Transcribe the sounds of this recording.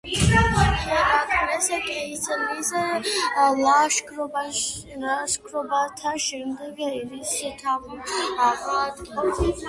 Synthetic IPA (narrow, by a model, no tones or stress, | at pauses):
ɛɾakʰmɛsɛkʼɛisɛlisɛ | laʃkʰɾɔbaaʃkʰɾɔbat̪ʰaʃɛmd̪ɛɡiɾisit̪ʰamaχat̪ɔ